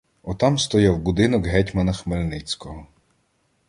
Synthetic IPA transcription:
ɔt̪ɑmst̪ɔjɛwbud̪ɪnɔkɦɛtʲmɐnɐxmelʲnɪt͡sʲkɔɦɔ

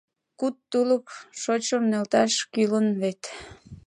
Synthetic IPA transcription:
kut̪ːuləkʃot͡ɕəmnelt̪ɑʃkylənβet̪

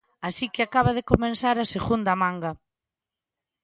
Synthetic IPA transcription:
asikɪakaβaðekomẽnsaɾaseɣund̪ɐmãŋɡa

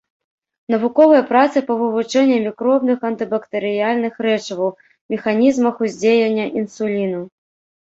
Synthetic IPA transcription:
nɐvukɔvɐjɐpɾat̪sɨpɐvɨvut͡ʂɛnʲːɐmʲikɾɔbnɨxɐnt̪ɨbɐkt̪ɐɾɨjalʲnɨxɾɛt͡ʂɐvɐw | mʲɛxanʲizmɐxuzʲd͡zʲejɐnʲːɐʔinsulʲinɐ

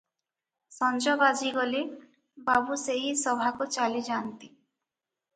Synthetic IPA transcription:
sɔnd͡ʒɔbad͡ʒiɡoli | babuseɦisɔbʱakut͡ʃalid͡ʒant̪i

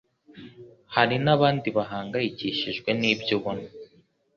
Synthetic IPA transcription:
haɾinaβaːndiβaɦaːŋɡajiciʃiʒɡwe̞niːbjoβono

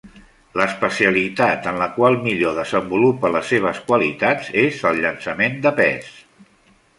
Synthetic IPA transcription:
ləspəsiəlit̪at̪ənləkwalˠmiʎoðəzəmbulupələsːeβ̞əskwəlḭt̪ad͡zezəlˠʎənsəmend̪əpɛ̰s

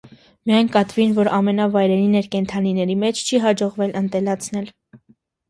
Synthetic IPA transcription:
mijɑjnkɑt̪vinvɔɾɑmɛnɑvɑjɾɛɾinɛɾkɛnt̪ʰɑninɛɾimɛt͡ʃʰt͡ʃʰiɦɑd͡ʒɔʁvɛlənt̪ɛlɑt͡sʰnɛl

